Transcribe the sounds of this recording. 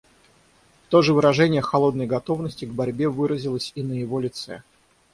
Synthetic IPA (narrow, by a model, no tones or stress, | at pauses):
t̪o̞ʐɨvɨɾɐʐɛnʲɪjəxɐlˠo̞d̪̚nəjɡɐt̪o̞vnəsʲtʲɪɡbɐɾʲbʲe̞vɨɾəzʲɪlˠəsʲinəjɪvo̞lʲɪt̪sɛ̰